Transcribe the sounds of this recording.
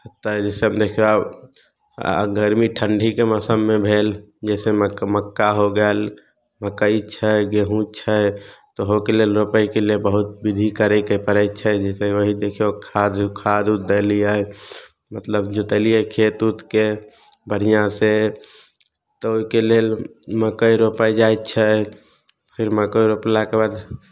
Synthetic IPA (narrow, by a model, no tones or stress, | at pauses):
ɦət̪aɦɛd͡ʒɛːseɦəmd̪eːkʰijoab | ɡəɾmiʈʰəɳɖʱikeməsəmːẽbʱeːl | d͡ʒɛːsemməkːaɦoɡəl | məkːəit͡ʃʰəɡeɦũt͡ʃʰət̪oɦokeleːlɾopəikeliebəɦʊt̪̚bɪd̪ʱikəɾekepəɾɛt͡ʃʰɛd͡ʒɛːseʋəɦid̪eːkʰiokʰad̪kʰad̪ut̪̚d̪əlia | mət̪ləbd͡ʒot̪əlijekʰet̪ut̪ke | bəɽ̤ijãse | t̪ooikelelməkəiɾopəjd͡ʒajtt͡ʃʰə | pʰɪɾməkəiɾoplakebad̪